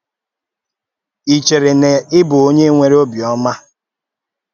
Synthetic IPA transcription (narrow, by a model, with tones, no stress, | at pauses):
i˨t͡ʃe˨ɾe˨ne˨ɪ˦bʊ˨o˦ɲe˦ŋʷe˨ɾe˦o˦bi˨ɔ˦ma˦